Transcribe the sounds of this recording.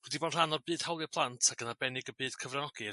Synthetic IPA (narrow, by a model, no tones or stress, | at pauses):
wɛdiboːnr̥anɔrbɨːd̥hawlˠɨpʰlˠantʰaɡənabɛnɪɡəbɨːd̥kʰəvrɛnɔɡ̥i